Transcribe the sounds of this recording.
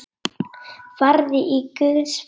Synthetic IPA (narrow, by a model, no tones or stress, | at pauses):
faɾðɪʔikʏðs